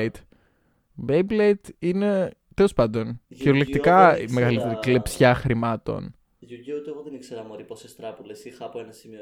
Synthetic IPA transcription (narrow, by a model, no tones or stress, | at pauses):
t̪ | bejblejt̪ine̞ | t̪ele̞spɐnd̪o̞nçiɾolekt̪ikɐḭme̞ɣɐlit̪e̞ɾiklepsçɐxɾimɐt̪o̞̰n | ʝuɟeut̪eɣoðenikseɾɐmoɾiposest̪ɾɐpulesixɐːpoenɐsimio